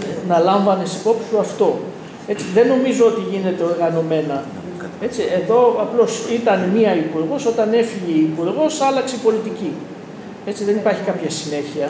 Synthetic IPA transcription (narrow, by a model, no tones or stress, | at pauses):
nɐlɐɱvɐne̞si̥po̞psi̥uɐft̪o̞ | e̞t͡siðe̞no̞mizo̞o̞t̪iʝine̞t̪e̞o̞ɾɣɐno̞me̞nɐ | e̞t͡siʔe̞ðo̞ɐplo̞sit̪ɐnmiɐipuɾɣo̞so̞t̪ɐne̞fiʝeːpuɾɣo̞sɐlɐkseipo̞lit̪ici | e̞t͡siðe̞nipɐɾçi̥kɐpçɐsine̞çiɐ